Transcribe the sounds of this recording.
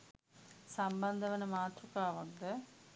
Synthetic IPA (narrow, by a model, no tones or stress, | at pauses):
sɐmbɐnd̪ʱɐʋɐnɐmaːt̪rukːaːʋɐnd̪ɯ